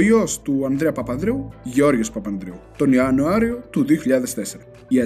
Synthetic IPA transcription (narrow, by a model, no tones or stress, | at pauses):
iost̪uɐnd̪ɾeɐpɐpɐnd̪ɾeuʝeo̞ɾʝespɐpɐnd̪ɾeut̪o̞neɐnuaɾiot̪uðioçiʎɐðest̪e̞seɾɐ | iɐ